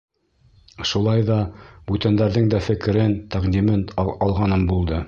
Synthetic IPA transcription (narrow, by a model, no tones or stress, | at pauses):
ʃulˠɑjðɑbʉt̪ænd̪æɾðɘŋd̪æfɘ̆kɘ̆ɾɘnt̪æʁd̪ʲimɘnɑlˠʁɑnɤmbulˠd̪ɤ